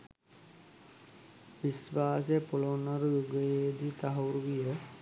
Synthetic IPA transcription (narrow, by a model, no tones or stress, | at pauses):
ʋisʋaːs̬jpulonəɾuɡəjed̪it̪aɦɐɾuɡijə